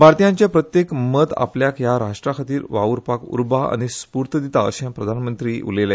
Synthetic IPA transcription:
bʱaɾt̪ijãɲt͡ɕjapɾət̪jekmət̪a̰pljakjaɾaʂʈɾakʰat̪iːɾʋauɾpakṵɾbaa̰ɽ̃ispuɾt̪əd̪it̪aəɕãmpɾəd̪ʱanmənt̪ɾiːṵlela

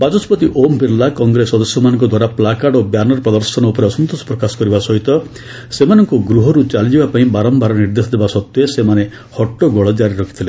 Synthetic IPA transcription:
bad͡ʒɔsɔpɔt̪iʔompiɾlakɔŋɡɾesːɔd̪ɔsjɔmanɔŋkɔd̪waɾaplakaɖobjanɔɾɔpɾɔd̪ɔɾsɔnɔupɔɾeɔsɔnt̪osɔ̥pɾɔkasɔ̥kɔɾibasɔɦit̪ɔ | semanɔŋkuɡɾuɦɔɾut͡ʃalid͡ʒibapaĩbaɾɔmbaɾɔniɾd̪esɔd̪ebasɔt̪ːɔesemane | hɔʈːɔɡɔɭɔd͡ʒaɾiɾɔkʰi̥t̪ʰile

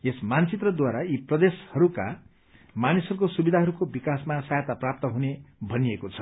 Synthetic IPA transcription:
esmant͡sit̪rʌd̪waɾaiprʌd̪eshʌɾuka̰ | manisʌɾukosubid̪ʱaɦʌɾukobikasmasajt̪aprap̚t̪ʌɦunebʱʌnijekot͡sʰʌ̥

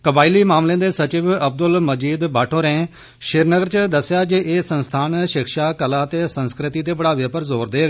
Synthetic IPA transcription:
kəbaːiliːmaːmlẽːd̪eːsət͡ʃɪʋəb̚d̪əlməd͡ʒiːd̪baːʈʰoːɾɛ̃ː | ʃɪɾnəɡəɾt͡ʃəd̪əsːjaːd͡ʒeʔeːsənst̪ʰaːnʃɪkʰʃaːkəlaːt̪eːsənskɾɪt̪iːt̪eːbəɽaːʋeːpəɾzoːɾd̪eː

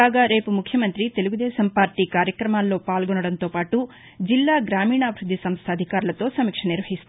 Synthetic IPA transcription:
aːɡɐɾeːpumukʰjɐmɐnt̪ɾit̪e̞luɡud̪ɛːsɐmpaːɾʈikaːɾjɐkɾɐmaːlːoːpaːlɡoɳuɽɐnt̪oːpaːʈu | d͡ʒilːaːɡɾaːmiːɳaːbʱɾud̪ʱːisɐmst̪ʰɐd̪ʱikaːɾlɐt̪oːsɐmikʂɐniɾʋɐɦisu̥t̪

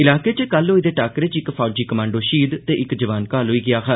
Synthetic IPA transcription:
ɪlaːkeːt͡ʃəkəlːoːɪd̪eːʈaːkɾet͡ʃɪkpʰaːd͡ʒiːkəmãːɳɖoːʃiːd̪t̪eːʔɪkd͡ʒəʋaːnkaːlɦʊiːɡɪaːkaː

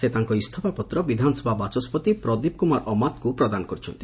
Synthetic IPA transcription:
set̪aŋkɔist̪ʰɔpapɔt̪ɾɔbid̪ʱanɔsɔbʱabat͡ʃɔspɔt̪ipɾɔd̪ib̚kumaɾʔɔmat̪kupɾɔd̪anɔkɔɾut͡ʃʰɔ̰nt̪i̥

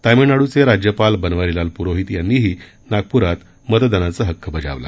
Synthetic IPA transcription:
t̪ajmenaɽut͡seɾad͡ʑjəpalbənʋaɾilalpuɾoɦit̪janːiːɦiː | naɡ̚puɾat̪ | mət̪əd̪ənat͡səɦəkːəbəd͡ʑa̰ʋla̰

